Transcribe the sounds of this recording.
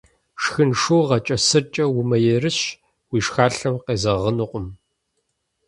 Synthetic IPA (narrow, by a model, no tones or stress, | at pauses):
ʂxɨnʂoːʁɐt͡ʃʼɐsɨrt͡ʃʼɐwʊmɐjɛrɨɕ | wiːʂxaːɬɐmqeːzɐʁənuqʷʼʊm